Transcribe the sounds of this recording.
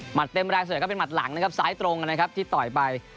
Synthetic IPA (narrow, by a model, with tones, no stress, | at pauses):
ma˨˩t̪ːe˧mɾaː˧ŋsa˨˩˦kɔ˥˩pe˧nma˨˩t̪̚la˩˦ŋna˦˥kʰa˦˥p̚saː˦˥jt̪ɾo˧ŋka˧nːa˥kʰa˦˥p̚t̪ʰiː˥˩t̪ɔ˨˩jpa˧j